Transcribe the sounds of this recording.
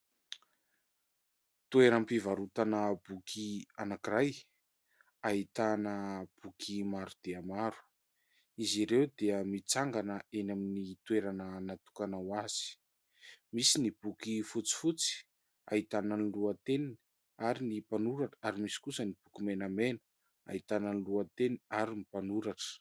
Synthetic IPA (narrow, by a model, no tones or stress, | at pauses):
t̪ueɾəmpivaɾut̪anəb̥ukʰianakiɾaj | ait̪anəb̥ukʰimaɾud̪̥eamaɾu̥ | iziɾewd̪eəmit͡saŋɡanəenaminit̪weɾanənat̪u̥kanawaz̥i̥ | misinib̥ukifut͡si̥fut͡si̥ | a̰it̪anəniluat̪eni | aɾinipanuɾaʈ͡ʂə̥aɾimisi̥kusənib̥ukimenamenə̥ | a̰it̪anəniluat̪eniaɾinipanuɾaʈ͡ʂə̥